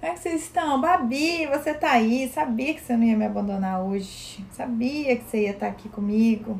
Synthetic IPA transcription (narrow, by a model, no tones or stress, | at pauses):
kkõmɛkɪsezd͡ʒisɪ̃t̪ɐ̃w̃babivoset̪aaisabiɐkɪ̥senɐ̃iɐmɪabɐ̃nd̪õnaoʒ | ɪsabiɐkɪ̥seiɐt̪aakikõmiɡʊ